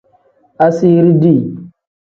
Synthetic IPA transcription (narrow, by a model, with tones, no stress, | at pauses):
a˦si˦ɾi˦di˦˨